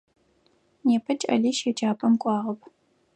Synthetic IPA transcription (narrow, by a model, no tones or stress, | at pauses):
neːpʰɐt͡ʃʼɐ̰ɮiːʃed͡ʒaːpʼɐmkʷʼɑːʁɐpʰ